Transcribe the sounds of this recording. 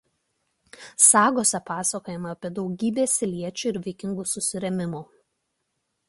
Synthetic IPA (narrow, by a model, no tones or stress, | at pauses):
sɑːɡoːsʲɛpɑːsɐkoːjɛmɐɐpʲiɛd̪ɒʊɡʲiːbʲeːsʲɪlʲiɛt͡ʃʲuːɪɾʋʲɛɪkʲɪŋɡusʊsʲɪɾʲɛmʲɪmuː